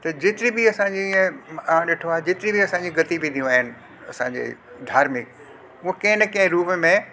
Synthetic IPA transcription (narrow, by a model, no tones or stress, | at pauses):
t̪ɐd͡ʑɪt̪ɪɾibiɐsãɲd͡ʑiiẽãɗɪʈʰoaːɦed͡ʑɪt̪ɪɾibiɐsãːɲd͡ʑiɡɐt̪ibid̪ʱijũaːɦɪnɪ̆ | ɐsãɲd͡ʑḛː | d̪ʱaːɾmɪk̚ | ʊ̃kẽːɪnɪkɐ̃ɦɪ̃ɾuːpmẽ